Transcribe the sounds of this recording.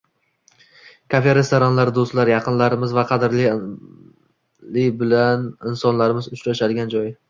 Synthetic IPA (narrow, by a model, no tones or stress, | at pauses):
kʰafeɾest̪ʰoɾɒnlaɾd̪ost̪laɾjɑqʰɨnlaɾɪmɪzvaqʰɑd̪ɪɾlɪ | lɪbɪlanɪnsɒnlaɾɪmɪzʊt͡ʃɾaʃad̪ɪɡʲand͡ʒɒj